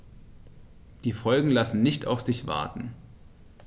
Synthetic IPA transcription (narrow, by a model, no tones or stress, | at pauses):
d̥iːfɔlɡŋ̩lasn̩nɪçtʰa̰ʊfz̥ɪçv̥a̰ɐtn̩